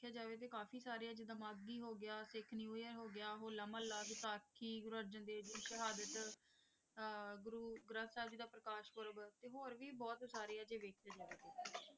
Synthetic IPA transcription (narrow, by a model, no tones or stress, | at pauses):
kʰjaːd͡ʒaːʋeːt̪̬eːkaːfʰiːsaːɾijaːd͡ʒɪd̪əmaːɡːiːɦoːɡɪjaːsɪkʰnĩːoːjəɦoːɡɪjaːɦoːləmə̃ːlaːɡt̪aːkʰiːɡɾuəɾd͡ʒənd̪eːd͡ʒoʃəɦaːd̪ət̪ | ɡʊɾuːɡɾə̃ːsaːd͡ʒiːd̪aːpɾəkaːʃkəɾəbt̪eːɦoːɾʋiːbɔːt̪saːɾiːaːd͡ʒeːʋeːkʰjaːd͡ʒaːʋeːt̪eː